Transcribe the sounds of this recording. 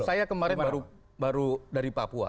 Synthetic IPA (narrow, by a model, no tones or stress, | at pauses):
sajakəmaɾɛnaɾu | baɾudaɾipapua̰